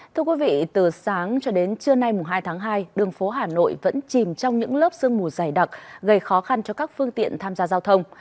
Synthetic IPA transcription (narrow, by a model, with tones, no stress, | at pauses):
t̪ʰɨ˧əkwi˨˦vḭ˧˨t̪ɨ˨˩saː˨˦ŋt͡ɕɔ˧ɗe˨˦nt͡ɕɨ˧əna˧jmʊ˨˩ŋ͡mɦaː˧jt̪ʰaː˨˦ŋɦaː˧jɗɨ˨˩əŋfo˨˦ɦaː˨˩no̰˧˨jvə̰˧˥nt͡ɕi˨˩mt͡ɕɔ˧wŋ͡mɲɨ̰˧˥ŋləː˦˥p̚sɨ˧əŋmu˨˩zaː˨˩jɗa˨˩k̚ɣə˧˩jxɔ˨˦xa˧nt͡ɕɔ˧kaː˦˥k̚fɨ˧əŋt̪ḭ˧˨ənt̪ʰaː˧mzaː˧zaː˧wt̪ʰə˧wŋ͡m